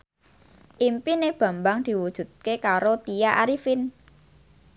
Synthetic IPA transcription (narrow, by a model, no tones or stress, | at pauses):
ʔimpineb̥ä̤mbaŋd̪̥i̤wud̥ʒ̥ṳt̪̚kekaɾot̪ijaʔaɾifɪn